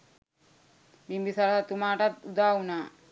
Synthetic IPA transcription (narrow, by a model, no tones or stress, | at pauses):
bimbisaɾɦat̪umaːʈat̪ud̪aːunaː